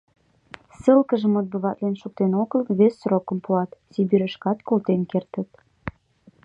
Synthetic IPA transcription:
səlkəʒəmot̪̚bəβɑt̪lenʃok̚t̪enoɡəlβesːrokəmpuɑt̪sibiɾəʃkɑt̪kolt̪enkert̪ə̆t̪

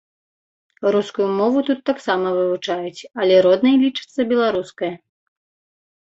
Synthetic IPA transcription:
ɾuskujumɔvut̪ut̪ːaksamɐvɨvut͡ʂajut͡sʲɐlʲɛɾɔd̪nɐjlʲit͡ʂɨ̥t̪sːɐbʲɛlˠaɾuskɐjɐ

